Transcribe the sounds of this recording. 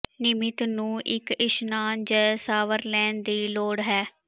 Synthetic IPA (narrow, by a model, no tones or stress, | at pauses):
nɪmɪt̪nũːʔɪkɪʃnaːnd͡ʒɛːsaːʋəɾlɛ̃ːɳd̪iːloːɽɦɛː